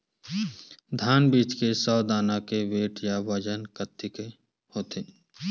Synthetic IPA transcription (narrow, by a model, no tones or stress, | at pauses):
d̪ʱaːnbiːt͡ʃkesɔːd̪aːnakeʋeːʈjaʋəd͡ʒənkət̪ʰːike | hoːt̪ʰɪ